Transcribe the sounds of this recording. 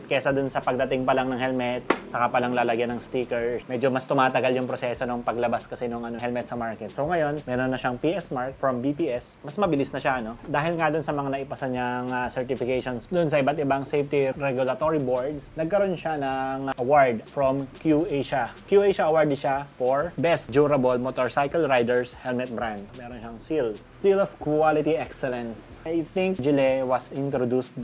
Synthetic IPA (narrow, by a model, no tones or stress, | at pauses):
t̪kɛsɐd̪ʊnsɐpɐɡ̚d̪ɐt̪ɪŋpɐlaŋnɐŋhɛlmɛt̪̚sɐkapɐlɐŋlaːlɐɡjɐnɐŋst̪iːkɛɹmɛːd͡ʒo̞mɐst̪ʊmaːt̪ɐɡaljʊŋpɾosɛso̞noŋpɐɡlɐbaskɐsɛnoŋʔɐnohɛlmɛt̪̚sɐmaɹkɛt̪̚soŋɐjo̞nmɛːɾonːɐʃaŋpiːʔɛsmaɹkfɹɐmbipiːʔɛs | mɐsmɐbɪlɪsnɐʃaʔɐno̞d̪aːɦɪlŋad̪ʊnsɐmɐŋanɐʔɪpɐsɐɲaŋasɛɹt̪ɪfɪkejʃonsd̪ʊnsɐʔɪbat̪ɪbaŋsejft̪iɾɛɡʊlɐt̪oɹiboɹd̪snɐɡ̚kɐɾonʃanɐŋʔɐwaɹd̪fɾomkjuʔejʃakjuʔejʃɐʔɐwaɹd̪ʃafoɹbɛstd͡ʒuːɾɐbolmot̪oɹsajkɐlɹajd̪ɛɹshɛlmɛt̪̚bɾand̪̚mɛːɾonʃaŋsilstilɔfkwalɪt̪iʔɛksɛlɛ̃ns | jθɪŋk̚d͡ʒɪlɛwɐsɪnt̪ɾod̪ust̪